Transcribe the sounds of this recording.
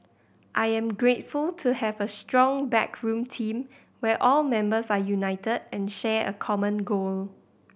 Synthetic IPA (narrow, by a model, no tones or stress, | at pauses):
ʔaɪɛ̃mɡɹetfultʰuhɛvəstɹɔ̃ŋbɛ̰kʰɹũmtʰĩm | wɛʔɔlmɛ̃mbəsajunaɪtədɛ̃nʃɛə̰kʰɔmə̃nɡol